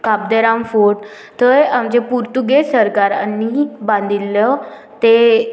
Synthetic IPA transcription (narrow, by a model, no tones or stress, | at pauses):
kabd̪əɾamfoɽ | t̪əjamd͡ʑepuɾt̪uɡesəɾkaɾanːibãnd̪ʱilːɔ | t̪e